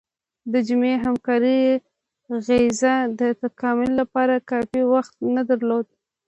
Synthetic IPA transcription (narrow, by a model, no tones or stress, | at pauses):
d̪əd͡ʒʊmeɦamkɑɾi | ɣezad̪ət̪akɑmʊlːapɑɾakɑfiwaxt̪̚nad̪aɾlod̪̚